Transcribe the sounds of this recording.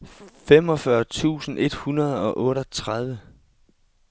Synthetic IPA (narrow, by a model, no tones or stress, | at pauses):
fem̰ɒ̽fɶɐt͡sʰṵːsn̩e̝d̥hunɐð̞ˠɒ̽ʔɔ̽ːɾɒt͡sʰʁað̞ˠʋə